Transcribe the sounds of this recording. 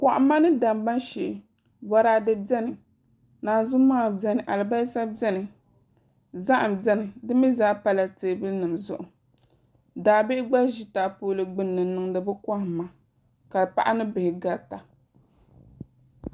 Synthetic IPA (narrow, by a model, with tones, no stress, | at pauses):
kɔ˨ʔa˨˦mːa˦nɨ˦da˨mɡ͡ba˦nʃɛ˨ | bɔ˨˦ɾaː˦dɨ˦bɛ˦nɨ˨ | naː˨zu˦maː˦˨bɛ˦nɨ˨ʔa˨lɨ˨ba˦sa˦bɛ˦nɨ˨ | za˦ʔa˨m˨bɛ˦nɨ˨dɨ˦mi˦zaː˦pa˦˨la˨te˨bɨ˦lnɨ˨mzʊ̰˨ʔʊ˨ | daː˨bɪ˦ɡ͡ba˦ʒi˦ta˨poː˦lɨ˨ɡ͡bɨ˦nːɨ˨m˦nɨ˨ŋdɨ˨bɨ˦ka˦hma˨ | ka˨pa̰˦ʔa˦nɨ˦bɪ˨hɪ˨ɡa˦ta˨